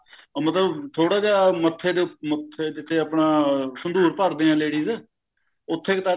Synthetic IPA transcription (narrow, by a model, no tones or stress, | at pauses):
mət̪ləbt̪ʰoːɽaːd͡ʒaːmət̪ʰːeːd̪emət̪ʰːed͡ʒɪt̪ʰːeːəpnaːsənd̪uːɾpəɾd̪eːãːleːɽiːz | ʊt̪ʰːeːkt̪aː